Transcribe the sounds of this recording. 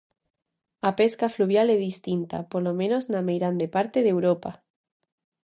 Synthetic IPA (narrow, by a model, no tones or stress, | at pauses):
apeskafluβ̞jaleðist̪int̪a̰polomẽnoznamejɾand̪epaɾt̪eðewɾopa